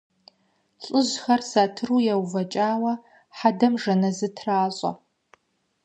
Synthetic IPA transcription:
ɬʼɨʑxɐrsaːtʰɨruːjɛwvɐt͡ʃʼaːwɐ | ħadɐmʐɐnɐzɨtʰraːɕʼɐ̰

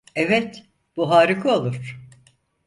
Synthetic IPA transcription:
evɛt̪ | b̥uɦaːɾɯkʰɯolˠuɾ̥

